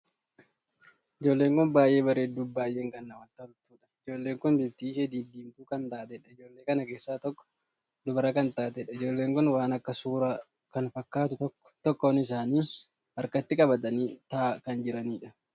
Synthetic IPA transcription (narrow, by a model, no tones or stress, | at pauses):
ɪd͡ʒo̞ːlːe̞ːŋkʊnbaːjʔe̞ːbɐɾeːd̪ːuːbaːjeːŋɡɐnːɐwɐlt̪at̪ʊt̪ːuːᶑɐ̥ɪd͡ʒo̞ːlːeːŋkʊnbɪbt̪iːʃɛd̪iːd̪iːmt̪uːkɐnt̪aːt̪ɛᶑɐɪd͡ʒo̞ːlːe̞ːkɐnɐke̞ːsːaːt̪ɔkːɔ̥ | d̪ʊbɐɾɐkɐnt̪aːt̪ɛᶑɐɪd͡ʒo̞ːlːe̞ːŋkʊnwaːnɐkːɐsuːɾɐ | kɐnfɐkːaːt̪ʊt̪ɔkː | t̪ɔkːɔwɐnɪs̬aːniː | ɐɾkɐt̪ːɪkʼɐbɐt̪ɐniːt̪aːkɐnd͡ʒɪɾɐniːᶑɐ